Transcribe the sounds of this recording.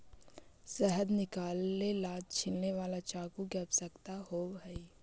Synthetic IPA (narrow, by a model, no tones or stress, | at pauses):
sɛɦəd̪nɪkaːlːelaːd͡ʒ̚t͡ʃʰɪlneʋaːlat͡ʃaːkuɡɛbsəkt̪aɦoːbɦɛi